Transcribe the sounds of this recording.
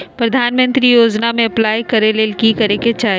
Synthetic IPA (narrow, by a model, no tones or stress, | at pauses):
pɾɐd̪ʱaːnmə̃nt̪ɾijoːd͡ʒnamẽɐplaːjkɐɾeleːlkikɐɾeket͡ʃaː